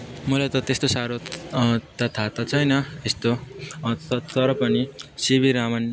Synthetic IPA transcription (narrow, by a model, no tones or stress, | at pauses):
mʌlajt̪ʌt̪est̪osaɾo | t̪at̪ʰat̪at͡sʰʌjnʌest̪o | t̪ʌɾʌpʌnisibiɾamʌn